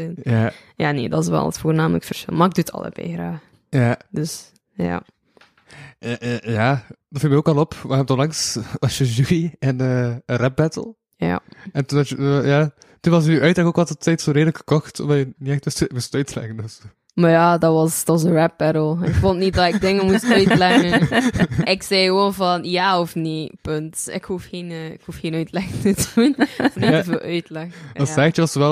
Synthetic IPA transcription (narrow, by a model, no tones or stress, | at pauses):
ɪnjaja̰ːnḛːdɑ̰tɪs̬ʋɛ̰lˠətfoːrnaːmələkfərsxɪ̰lˠmaɪɡ̚duətʰɑ̰lˠə̰b̥ɛ̰xɾaːx | jadəs | ja̰ | jaːdɑtfilˠmɛoːkɑlˠɔpʋab̚tɔlɑŋsɑʃəʒuiɛnəːərɛp̚bɛtə̰l̩ˠ | ja̰ɛntundɑəjaː | tunʋɑsnyʔœɥtlɛkoːkʋɑtətɛjtsoːɾeːdələkxə̥kɔxtɔ̰mdɑjəniɛxtmustmustœɥtəlɛ̰ɣəndøs | majadɑtʋɑsdz̬əɹɛp̚bɛɾəlˠɪkfontnit̚dɑtɪk̚dɪŋəmustœɥlɛɣən | ɪksɛjɣəʋoːnvɑnjaːɔfnipøntɪ̰khufxeːnːɪkhufxeːnœɥtlɛxəntətədunɔfniəvoʔœɥtlɛɣəɑsɛɣətəʋɑsəʋɛl